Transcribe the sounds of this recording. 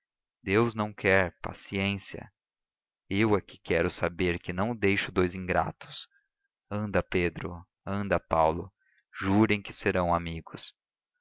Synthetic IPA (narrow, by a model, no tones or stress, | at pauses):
d̪ewznɐ̃w̃kʰɛɾpa̰siẽsiɐ̰ | ewaki̥kɛɾʊsabeɾkɪnɐ̃w̃d̪ejʃʊd̪ojzĩŋɡɾa̰t̪ʊ̥s | ɐ̃nd̪ɐped̪ɾʊ̰ | ɐ̃nd̪ɐpawlʊ | ʒuɾẽj̃kɪseɾɐ̃w̃amiɡʊs